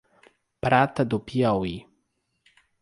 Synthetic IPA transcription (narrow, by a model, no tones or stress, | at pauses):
pɾat̪ad̪upiawi